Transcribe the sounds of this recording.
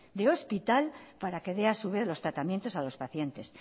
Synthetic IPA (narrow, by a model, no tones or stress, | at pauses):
d̪eo̞spit̪alpaɾake̞ðe̞asuβelo̞st̪ɾat̪amjent̪o̞salo̞spaθje̞nt̪e̞s